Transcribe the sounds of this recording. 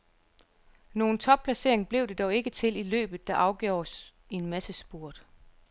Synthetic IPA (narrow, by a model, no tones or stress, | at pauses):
no̝ːn̩t͡sʰɒ̽b̥̚pʰlæse̝̰ɐ̰e̝ŋb̥le̝ʊd̥e̝d̥ɒʊe̝ɡ̥ət͡sʰe̝lilø̰ːb̥ð̩ˠd̥ɑ̈ʔɑ̈ʊɡ̥jo̰ːs | eenmæsəsb̥uɐ̰d̥